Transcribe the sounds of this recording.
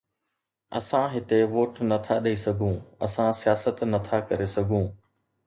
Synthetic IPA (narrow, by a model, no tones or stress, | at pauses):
ɐ̰sãɦɪt̪eʋoːʈnɐt̪ʰaɗɐisɐɡʱũːɐ̰sãsijaːsət̪nɐt̪ʰakɐɾesɐɡʱũː